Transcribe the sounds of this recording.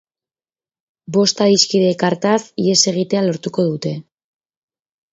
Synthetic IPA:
bo̞st̪aðiskiðe̞kaɾt̪asie̞se̞ɣ̞it̪ealo̞ɾt̪uko̞ðut̪e̞

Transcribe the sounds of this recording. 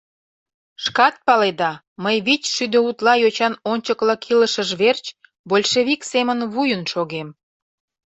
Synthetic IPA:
ʃkɑt̪̚pɑled̪ɑ | məjβit͡ɕʃyd̪øut̪lɑjot͡ɕɑnonʲt͡ɕəklɑkʰiləʃəʒβert͡ɕ | bolʲʃeβiksemənβujənʃoɣem

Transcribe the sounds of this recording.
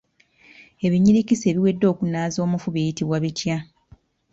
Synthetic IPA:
e̞βiɲiɾicise̞βiwe̞dːo̞ːkunaːzo̞ːmufuβejitiβwaβitja

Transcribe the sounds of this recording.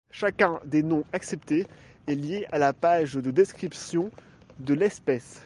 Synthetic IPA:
ʃakʲɛ̃d̪enɔ̃aksɛp̚t̪e | ɛljeʔalapaʒd̪əd̪eskχipsjɔ̃ | d̪əlɛspɛs

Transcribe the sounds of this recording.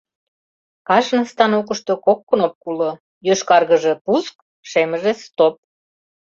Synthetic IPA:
kɑʃnə̆st̪ɑnokəʃt̪okokːə̆nop̚kulo | jøʃkɑrɣəʒe̽pusk | ʃeməʒest̪op̚

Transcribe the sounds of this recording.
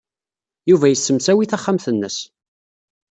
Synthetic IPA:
juvæjəsːəmsæwiθæχːamθənːəs

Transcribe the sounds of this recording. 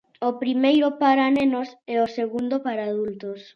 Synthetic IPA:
opɾimejɾopaɾanẽnosɛoseɣund̪opaɾaːðult̪os

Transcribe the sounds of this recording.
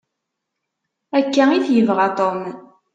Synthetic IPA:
ækːæiθjəvʁɑt̪ˤom

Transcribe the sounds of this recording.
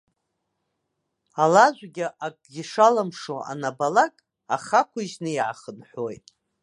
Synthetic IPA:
alaʒʷɡʲiʔakʼɡʲiʂalamʂoa̰nabalakʼ | a̰χakʷiʒnɨiʕa̰χənħʷojtʼ

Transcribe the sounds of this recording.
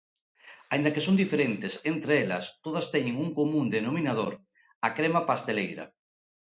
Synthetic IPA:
aĩnd̪akesond̪ifeɾent̪esent̪ɾeelɐ̰st̪oð̞ɐst̪ɛɲeŋuŋkomũnd̪enominað̞oɾ | akɾemapast̪elejɾɐ̰

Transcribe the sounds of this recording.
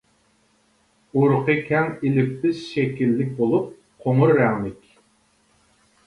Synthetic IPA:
uɾqʰəkʲʰɛŋilɪp̚t̪ɪzʃɛkʲilːɪk̚ʲbolˠup̚ | qʰoŋʊɾːɛŋlɪkʲ

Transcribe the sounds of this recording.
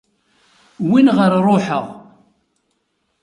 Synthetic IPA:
winʁəɾrˤoħə̰ʁ

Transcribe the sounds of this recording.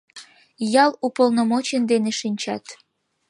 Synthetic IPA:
jɑlupolnomot͡ɕənd̪eneʃinʲt͡ɕɑ̰t̪

